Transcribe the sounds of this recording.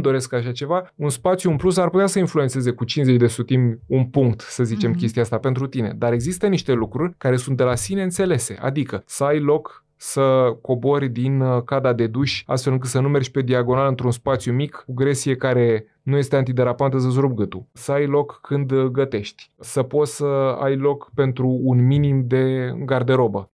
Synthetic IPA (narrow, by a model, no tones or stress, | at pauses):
d̪o̞ɾe̞skaʃ̬at͡ʃe̞vaunspat̪sjuɨmplus̬arput̪easəinfluet̪seze̞kut͡ʃinze̞t͡ʃʲd̪e̞sut̪imʲunpuŋk̚t̪səzit͡ʃe̞mk̬ʲe̞st̪iaast̪ape̞nt̪ɾut̪ine̞̰d̪aɾe̞ɡzist̪əniʃt̪e̞lukɾurʲkaɾe̞sunt̪̚d̪e̞lasine̞ɨnt̪se̞le̞se̞̰ʔa̰d̪ikəsəajlo̞k | səko̞bo̞rʲd̪inkad̪ad̪e̞d̪uʃʲa̰st̪fe̞lɨŋkɨt̪sənume̞rd͡ʒʲpe̞d̪iaɡo̞nalɨnt̪ɾunspat̪sjumikuɡɾe̞sie̞kaɾe̞ | nuje̞st̪eant̪id̪eɾapant̪əs̬əzɾub̚ɡɨt̪usəajlo̞kːʰɨnd̪ɡət̪e̞ʃt̪ʲsəpo̞t̪səa̰jlo̞kpe̞nt̪ɾuːnminimd̪e̞ɡard̪e̞ɾo̞bə